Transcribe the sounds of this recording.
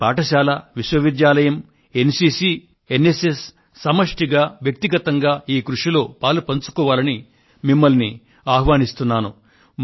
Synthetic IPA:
paːʈɐʃaːlɐʋiʃwɐʋid̪jaːlɐjɐm | e̞nsiːsi | enesesː | ɐmɐʂʈiɡaːʋjɐk̚t̪iɡɐt̪ɐŋɡaːiːkɾuʂilo̞ːpaːlupɐnt͡ʃu̥kɔːʋaːlɐni | mimːɐlni | aːɦʋaːnist̪unːaːnu

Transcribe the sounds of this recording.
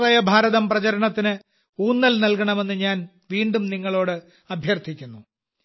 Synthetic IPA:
rɐjɐbʱaːɾɐðɐmprɐt͡ɕɐɾɐɳɐt̪ːinɨ | uːnːɐlnɐlkɐɳɐme̞nːɨɲaːn | ʋiːɳɖumniŋːɐɭo̞ːɽɨ | ɐbʱjɐrt̪ʰikʲːunːu

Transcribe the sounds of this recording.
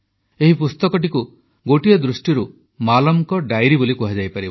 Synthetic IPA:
eɦipust̪ɔkɔʈ̬iku | ɡoʈiɔd̪ɾusʈiɾu | malɔmkɔɖajɾibolikuɦad͡ʒajpaɾib

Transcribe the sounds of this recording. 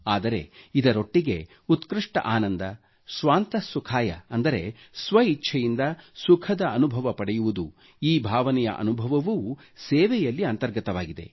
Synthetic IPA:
aːd̪ɐɾe̞̰id̪ɐɾoʈːiɡe̞̰ | ut̪kɾiʂʈɐ̰ʔaːnɐnd̪ɐ | sʋaːnt̪ɐsukʰaːjɐ̰ɐnd̪ɐɾe̞ | sʋɐitːʃʰɐjind̪ɐsukʰɐd̪ɐɐnubʱɐʋɐpɐɽɛjuʋud̪u | iːbʱaːʋɐnɛjɐ̰ʔɐ̰nubʱɐʋɐʋuː | seːʋɛjɐlːiɐnt̪ɐɾɡɐt̪ɐʋaːɡid̪e̞̰

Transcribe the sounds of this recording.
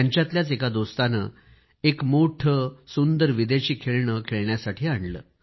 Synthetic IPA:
aɲt͡ɕjat̪ljat͡sekad̪ost̪anə̰ | ekmoʈʰəsund̪əɾʋid̪eɕiːkʰeɭɳəkʰeɭɳjasaʈʰiːaɳlə̰ː

